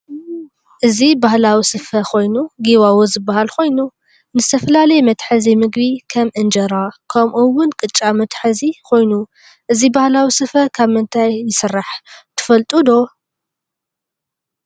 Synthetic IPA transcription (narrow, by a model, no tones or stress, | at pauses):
ʔɨzibahlawisɨfɐkʰo̞jnuɡiβawozɨbːahalko̞jnu | nɨz̥t̪ʰɐfɐlalɐjmɐt̪ħɨzimɨɡbikʰɐmʔɨnd͡ʒɐɾakʰɐmʔuwʊnkʼɨt͡ʃʼːamɐt̪ʰħɨzikʰo̞jnu | ʔɨzibahlawisɨfɐkʰaβmɨnt̪ʰajːɨsɨrːaħt̪ʰɨ̥fɐlt̪ʼud̪o